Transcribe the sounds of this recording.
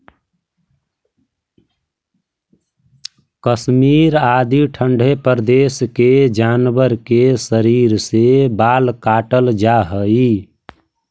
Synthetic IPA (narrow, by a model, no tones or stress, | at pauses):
kəsmiɾad̪iʈʰəɳɖʱepəɾd̪esked͡ʒanbəɾkesəɾiɾsebalkaʈəld͡ʒaɦəi